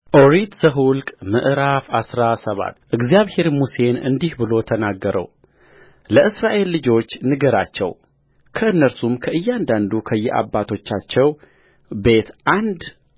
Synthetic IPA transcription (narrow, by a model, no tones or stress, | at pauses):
ʔoɾit̪z̥əɦulkʼmɨʔɾafasɾasəβa̰t̪ːʔɨɡzijaβhe̞ɾmuse̞nɨ̰nd̪ihbɨlo̞t̪ʰənaɡːəɾʔə̰w | ləʔɨsɾaʔe̞lːɨd͡ʒo̞t͡ʃːnɨɡəɾat͡ʃːɛ̰w | kʰəɨnːəɾsumkʰəʔɨjːɛand̪and̪ukʰəjːɛʔa̰bːat̪ʰo̞t͡ʃːat͡ʃːɛw | be̞t̪ʔand̪